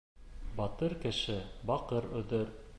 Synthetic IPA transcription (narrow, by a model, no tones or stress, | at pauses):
bɑt̪ɤɾkɘ̆ʃɘbɑqɤɾɵ̆ðɵɾ